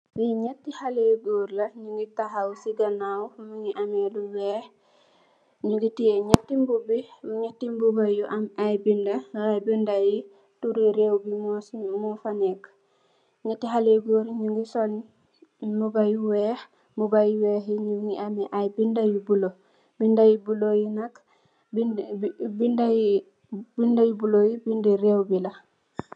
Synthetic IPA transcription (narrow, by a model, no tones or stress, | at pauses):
wiɲatːihaleɡoːɾlɐɲuŋɡitaɦawsiɡɐnawmuŋiʔameluwɛːx | ɲuŋɡitijeɲatːimbubiɲatːimbubajuʔamajbindaɾajbindaji | tuɾeɾewbimmɔfanɛk | ɲɛtːiɦaleɡoɾiɲuŋɡisolɲi | mubajuwɛːx | mubajiwɛːhiɲuŋɡiamɛʔajbindajubulo | bindajibulojinak | bibindaj | bindajubulojibindiɾewbila